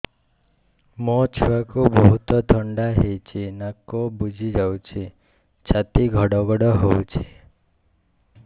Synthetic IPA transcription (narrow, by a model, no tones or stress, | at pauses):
mot͡ʃʰuakubɔɦut̪ɔt̪ʰɔɳɖaɦejt͡ʃʰinakobud͡ʒʱid͡ʒawt͡ʃʰi | t͡ʃʰat̪iɡʱɔɽɔɡɔɽɔɦowt͡ʃʰi̥